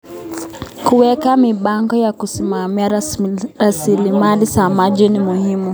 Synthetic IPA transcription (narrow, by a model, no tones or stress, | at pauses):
kuwɛkamiɓaŋɡɔjakusimamiaɾasilimalisamaʄinimuhimu